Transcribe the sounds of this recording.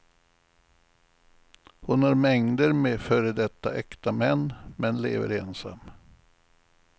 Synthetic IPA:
hʊnhaɾmɛŋd̪əɾmefœːɾəd̪ɛt̪ːaʔɛkt̪amɛnːmɛnlḛːvə̰ɾeːnsa̰mː

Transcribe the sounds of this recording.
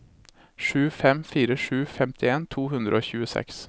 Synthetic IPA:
ʂʉːfɛmfiːɾəʂʉːfɛmt̪ʰɪeːnt̪ʰuːhʉnd̪ɾʔəoːçʉːəsɛ̰ks

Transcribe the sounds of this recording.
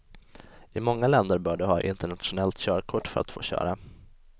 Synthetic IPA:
ɪmɔŋːalɛnd̪əɾbœːɖɵɦɑ̰ːʔɪnt̪əɳat̪ɧʊnɛlt̪ɕœːɾkʰʊʈːfœɾʔa̰t̪fo̰ːɕœ̰ːɾa

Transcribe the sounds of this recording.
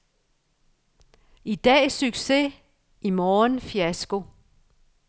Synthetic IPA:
id̥ɛ̰ːsyɡ̥se̝ | imɒːnfiæsɡ̥o̝

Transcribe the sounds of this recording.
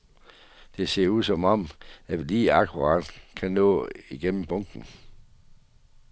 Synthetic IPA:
d̥e̝se̝ɐ̰uð̰ˠsɒ̽mɒ̽m̰æliːɑkʰuʁɑ̈d̥kʰænɔ̰ːiɡ̥en̰m̩b̥ɔ̽ŋ̰ɡ̥n̩

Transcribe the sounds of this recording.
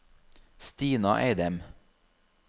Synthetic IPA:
st̪iːnɑ̰ʔḛɪd̪ɛm

